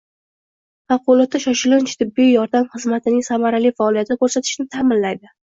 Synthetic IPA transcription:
maqʊlˠɒt̪ʰːaʃɒʃɪlɪnt͡ʃt̪ʰɪbːijjɒɾd̪amχɨzmat̪ʰɪnɪŋsamaɾalɪjfaːlijat̪ʰɪd̪ɪkʰʲɵɾsat̪ʰɪ̥ʃnɪt̪ʰaːmɪnlajd̪ɪ

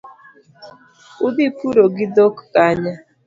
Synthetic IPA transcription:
uðipuɾoɡɪdokːaɲa

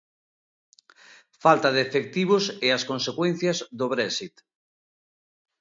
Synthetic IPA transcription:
falt̪aðeefek̚t̪iβ̞ʊseaskonsekwẽn̟θjɐzðoβɾɛsit̪

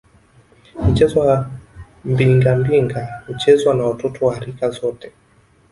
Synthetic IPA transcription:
m̩t͡ʃɛzɔw | mbiŋɡambiŋɡahut͡ʃɛzwanawatɔtʰɔwahaɾikazɔtɛ̥

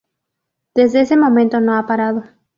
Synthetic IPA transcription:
d̪̥e̞zðeese̞mõ̞mẽnt̪o̞noapaɾaðo̞

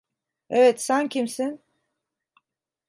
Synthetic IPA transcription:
evɛt̪sæncʰimsin

